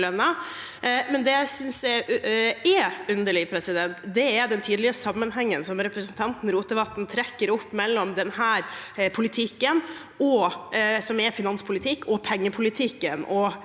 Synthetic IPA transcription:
lœnːɑ | mɛnd̪ɛæɪsʏnsæ | ɛʉnd̪əɭɪpʰɾɛsɪd̪ɛnt̪d̪ɛæɾd̪ɛnt̪ʰyːd̪əlɪəsɑmːənɦɛŋːənsɔmɾɛpɾəsn̩t̪ʰɑnt̪n̩ɾuːt̪̚d̪əbɑt̪ːn̩t̪ʰɾɛkːəɾɔpːmɛlːɔmd̪ɛnhæːɾpʰʊlɪt̪ʰɪkːən | ɔ | sɔmɛɾfɪnɑnspʰʊlɪt̪ʰɪkːɔpʰɛŋːəpʰʊlɪt̪ʰɪkːənɔ

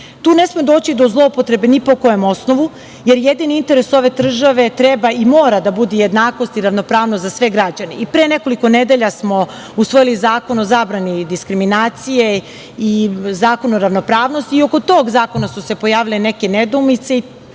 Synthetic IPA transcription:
t̪uːne̞smed̪o̞ːt͡ɕid̪o̞zlˠo̞pot̪ɾe̞benipo̞kojemo̞sno̞ʋu | je̞ɾjed̪iniint̪e̞ɾe̞so̞ʋe̞d̪r̩ʒaʋe̞t̪ɾebaimo̞ːɾad̪abud̪ijed̪naːko̞st̪iɾaʋno̞pɾaːʋnost̪zasʋe̞ɡɾad͡ʑaneipɾeːne̞ko̞liko̞ne̞d̪eʎasmo̞ | usʋo̞jilizaːko̞no̞zaːbɾanid̪iskɾiminaːt̪sije̞ | izaːko̞noɾaʋno̞pɾaːʋno̞st̪io̞ko̞t̪o̞ːɡzaːko̞nasuse̞po̞jaːʋilene̞ke̞ned̪umit̪sei

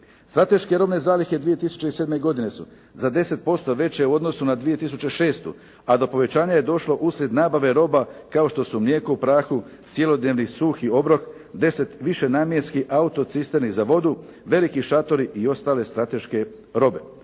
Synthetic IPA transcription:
st̪ɾat̪e̞ʃke̞ɾo̞bne̞zaːlixed̪ʋije̞t̪isu̥t͡ɕe̞ise̞d̪me̞ɡo̞d̪ine̞su | zad̪e̞se̞t̪̚po̞st̪o̞ʋe̞t͡ɕeuo̞d̪no̞sunad̪ʋije̞t̪is̬ut͡ɕe̞ʃe̞ːst̪ṵ | ad̪o̞po̞ʋe̞t͡ɕaːɲaje̞d̪o̞ʃlo̞ʔusɾe̞d̪naːbaʋe̞ɾo̞bakao̞ʃt̪o̞sumljeːkuupɾaːxut̪sjelo̞d̪neːʋnisuːxio̞bɾo̞k | d̪e̞se̞t̪ʋiʃe̞naːmjenskiʔaut̪o̞sist̪eɾnizaʋo̞d̪u | ʋe̞likiʃat̪o̞ɾiʔio̞st̪aːle̞st̪ɾat̪e̞ʃke̞ | ɾo̞be̞

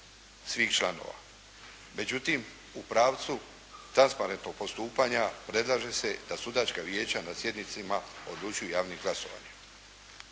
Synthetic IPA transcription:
sʋiːxt͡ʃlˠano̰ʋa̰ | me̞d͡ʑut̪im | upɾaːʋt̪su | t̪ɾanspaɾent̪no̞ɡ̚po̞st̪uːpaːɲapɾe̞d̪lˠaːʒe̞se̞d̪asud̪aːt͡ʃkaʋje̞ːt͡ɕanasje̞d̪nit̪simao̞̰d̪lˠut͡ʃujujaːʋniɡlˠaso̞ʋa̰ːɲe

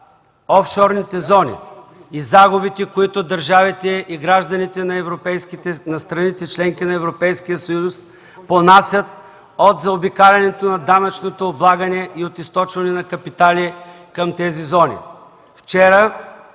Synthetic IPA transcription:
ɔfʃɔɾnit̪ɛzɔnḭizaɡʊbit̪ɛkoit̪ʊd̪ɐɾʒavit̪ɛʔiɡɾaʒd̪ɐnit̪ɛnɐɛvɾopɛjskit̪ɛnɐst̪ɾɐnit̪ɛt͡ʃlɛŋkinɐɛvɾopɛjskijəsɐjus | ponasʲjət̪ | ot̪zɐobikaɾʲɐnɛt̪onɐd̪anɐt͡ʃnot̪oːblˠaɡɐnɛʔiot̪ist̪ɔt͡ʃvɐnɛnɐkɐpit̪ali | kɐmt̪ɛzizɔnḭ | ft͡ʃɛɾə

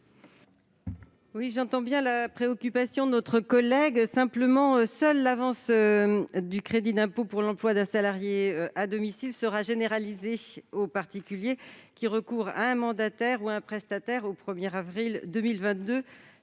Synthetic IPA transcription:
wiʒɑ̃t̪ɑ̃bjɛ̃lapχeɔkʲypasjɔ̃d̪ənɔt̪χəkɔlɛɡsɛ̃pləmɑ̃øsœlːavɑ̃sød̪ykχed̪id̪ɛ̃popuʁlɑ̃plwad̪ɛ̃salaʁjeøad̪ɔmisilsəʁaʒeneʁalizeopaʁt̪ikʲyljekʲiʁəkuʁa̰ɛ̃mɑ̃d̪at̪ɛʁuɛ̃pχɛst̪at̪ɛʁopχəmjɛʁavʁild̪ømilvɛ̃t̪̚d̪ø

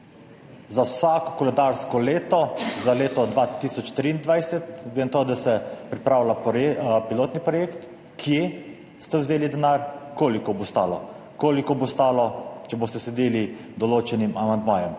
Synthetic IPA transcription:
zawsaːkɔkɔlɛd̪aɾskɔleːt̪ɔzaleːt̪ɔd̪ʋat̪iːsɔt͡ʃt̪ɾiːnd̪ʋajsɛt̪ɡlent̪od̪asɛpɾipɾaːwlapiloːt̪nipɾɔjeːkt̪ | kʰje | st̪ɛwzeːlid̪ɛnaːɾkoːlikɔbost̪aːlɔ̰ | koːlikɔbost̪aːlɔt͡ʃɛbost̪ɛsɛd̪eːlid̪ɔloːt͡ʃɛnimamand̪maːjɛm

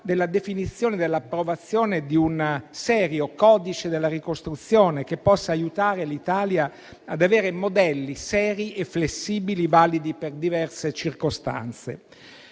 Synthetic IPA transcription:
d̪elːad̪efinit̪sːjoːned̪elːapːɾovat̪sːjoːned̪iunsɛːɾjokɔːd̪it͡ʃed̪elːaɾikost̪ɾut̪sːjoːnek̟epːɔsːaːjut̪aːɾelit̪aːlja | ad̪aveːɾemod̪ɛlːisɛːɾiʔefːlesːiːbilivaːlid̪iperd̪ivɛrset͡ʃirkost̪a̰nt̪sḛ

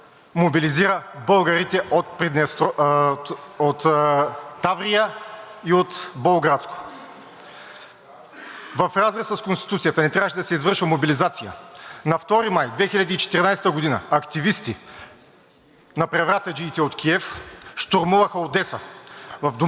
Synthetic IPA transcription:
mobiliziɾəbɤlˠɡɐɾit̪ɛʔot̪̚pɾid̪nɛst̪ | ot̪ː | avɾijəiot̪bolˠɡɾat̪sko̥ | vɐfɾazɾɛsɐskonst̪i̥t̪ut̪sijət̪ɐnɛt̪ɾʲavəʃɛd̪ɐsɛizvɤɾʃvɐmobilizat̪sijə̰nɐft̪ɔɾimajd̪vɛxilʲɐd̪iːt͡ʃɛ̥t̪iɾinajsɛt̪əɡod̪inəɐkt̪ivist̪i | nɐpɾɛvɾat̪ɐd͡ʒiːt̪ɛot̪kʰiɛfʃt̪oɾmuvɐxɐod̪ɛsəvɐvd̪o

